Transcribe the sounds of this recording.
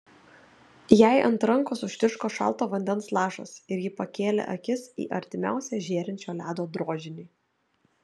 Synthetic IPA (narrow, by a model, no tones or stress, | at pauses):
jæɪʔɐ̰nt̪ɾɐŋkoːsʊʃʲt̪ʲɪʃkoːʃɐ̰lˠˑt̪oːʋɐnʲd̪ʲɛnslˠɑːʃɐ̰sɪɾjɪpɐkʲeːlʲḛʔɐkʲɪsḭːʔɐɾʲt̪ʲɪmʲæ̰ˑʊsʲæʒʲeːɾʲɪnʲt͡ʃʲoːlʲæːd̪oːd̪ɾoːd͡ʒʲɪnʲiː